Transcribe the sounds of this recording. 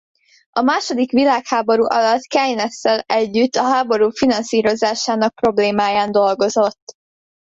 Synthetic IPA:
ɒmaːʃo̞d̪ikʋilaːkhaːbo̞ɾuːʔɒlɒt̪kɛjnɛsːɛlɛɟːyt̪ːɒɦaːbo̞ɾuːfinɒnsiːɾo̞zaːʃaːnɒk̚pro̞bleːmaːjaːnd̪o̞lɡo̞zo̞t̪ː

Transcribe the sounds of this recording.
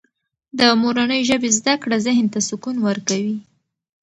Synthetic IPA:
d̪əmoɾanəjʒəbezd̪akɽazɪɦnt̪asʊkunwəɾkawi

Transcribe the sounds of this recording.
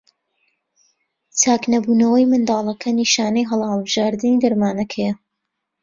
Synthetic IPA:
t͡sʰaːknɐbuːnɐwɐjmɨnd̪ɑːlˠɐkʰɐniʃaːnɐjɦɐlhɑlˠbɨʒ̥aːɾd̪ɨnid̪ɐɾmaːnɐkʰɛjɐ

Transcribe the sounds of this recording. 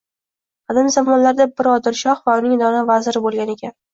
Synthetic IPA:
ad̪amzamɒnlaɾd̪abɪɾɒd̪ɪlˠʃɒχvaʊnɪŋd̪ɒnavazɪɾɪbolˠɡʲane̞kʲʰan

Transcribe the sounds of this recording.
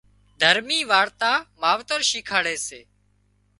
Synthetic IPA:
d̪ʱəɾmiːʋaːɽt̪aːmaːʋt̪əɾʃiːkʰaːɽeːseː

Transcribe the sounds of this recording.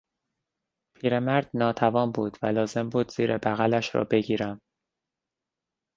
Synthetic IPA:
pʰiːɾe̞mæɾd̪nɒːt̪ʰævɒːmbuːd̪vælɒːze̞mbuːd̪z̥iːɾebæɣælæʃɾɒ̰ːbe̞ɟiːɾæm

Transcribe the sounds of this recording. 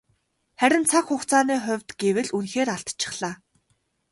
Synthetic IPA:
χæɾʲɪ̆nt͡sʰakxʊχt͡sʰaːniːχʊ̟wʲt̪ɡ̥ewɘ̆ɮunxeːɾaɬt̪t͡ɕʰɪ̥̆χɮ̥aː

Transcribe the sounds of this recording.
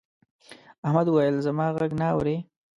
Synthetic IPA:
ahmad̪wajəlzamɑɣaɡnaːwɾe

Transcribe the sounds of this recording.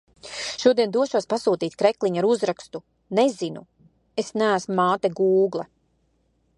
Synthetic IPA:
ʃuɔd̪iɛnd̪uɔʃuɔspasuːt̪iːt̪̚ʲkɾeklˠiɲaɾuzɾakst̪u | nezinṵ | esnæːsmumaːt̪ɛɡuːɡlˠa

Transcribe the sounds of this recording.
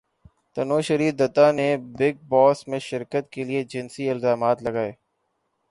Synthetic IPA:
t̪ɐnoːʃəɾiːd̪ət̪anebɪɡ̚bɔːsmẽʃɪɾkət̪kelied͡ʒɪnsiɪlzaːmaːt̪lɐɡaːeː

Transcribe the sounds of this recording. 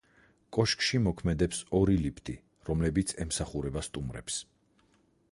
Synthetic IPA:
kʼɔʃkʼʃimɔkʰmɛd̪ɛpsɔɾilipʰt̪ʼi | ɾɔmlɛbit̪sʰɛmsaχuɾɛbast̪ʼumɾɛ̰ps

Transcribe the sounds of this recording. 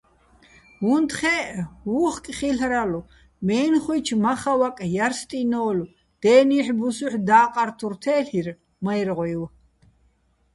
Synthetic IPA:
wunt̪χɛwuːχkʼχiɬɾalu | mɛːnχujt͡ʃʰmaχawakʼjaɾst̪ʼinɔːlu | d̪̥ɛːniħbusuħd̪aːqʼaɾt̪ʰuɾt̪ʰɛːɬir | majɾʁɔjw

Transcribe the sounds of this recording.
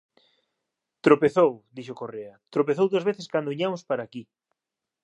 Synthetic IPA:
t̪ɾopeθowd̪iʃokoreɐt̪ɾopeθowðoazβeθeskand̪oiɲamʊspaɾaːki

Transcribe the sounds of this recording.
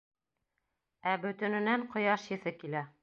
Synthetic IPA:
æbɵ̆t̪ɵ̆nɘ̆næɴqŏjɑʃjɘ̆θɘkilæ

